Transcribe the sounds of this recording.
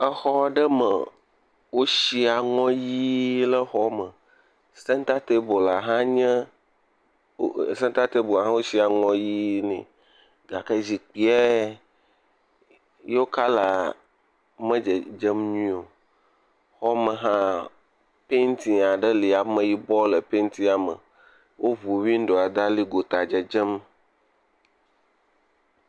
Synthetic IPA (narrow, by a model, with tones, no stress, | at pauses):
ə˦xɔ˦ɖə˦mə̰˨ | wo˦ʃi˦a˨ŋɔ̃˦ji˦lə˦xɔ˦mə̃˨ | sɛ̃˦n˦t̪a˦t̪e˦bo˨la˨ɦã˦ɲɛ̃˦˨ | sɛ˦t̪a˦t̪e˦bo˨a˨ɦã˦wo˦ɕi˦a˨ŋɔ̃˦ji˦nɛ̰̃˨ | ɡa˨kə˦zi˨k͡pi˦ɛ˦ | je˦wo˦ka˦la˨ | mə̃˦d͡ʒɛ˨d͡ʒɛ˦mɲĩ˦o˨ | xɔ˦mə̃˨ɦã˦ | pe˦n˦t̪i˨ŋa˨ɖə˦li˨a˨mə̃˦ji˦bɔ˦lə˨pe˦nt̪i˦a˨mə̰˨ | wo˦βu˨wi˦n̩˦ɖo˨a˨d̪a˦li˦ɡo˨t̪a˨d͡ʒɛ˨d͡ʒɛ˦m